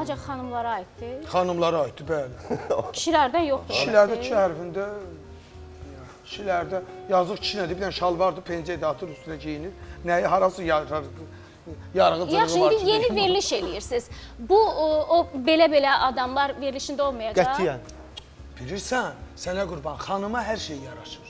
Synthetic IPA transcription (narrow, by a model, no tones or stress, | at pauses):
ɑnd͡ʒɑχɑnɯmlˠɑɾɑjit̪ːɯχɑnɯmlˠɑɾɑjt̪̚d̪ɯbælcʰi̥ʃilæɾd̪ænjo̞χd̪uiʃilæɾd̪æt͡ʃʰihæɾfind̪æ | i̥ʃilæɾd̪æjɑzɯχt͡ʃʰi̥ʃinæd̪ibilænʃɑlˠvɑɾd̪ɯpʰend͡ʒ̪ed̪ɑt̪ʰɯɾyst̪ynæɟijiniɾnæjɦɑɾɑsɯj | jɑɾʁɯzɑɯivɾd̪ijenive̞ɾliʃelijiɾsiz̥buobe̞læbe̞læʔɑd̪ɑmlˠɑɾve̞ɾliʃind̪æo̞lˠmɑjɑæɑin | b̥iliɾsænsænæɡuɾbɑnχɑnɯmɑɦæɾʃejijɑɾɑʃɯ̥ɾ̥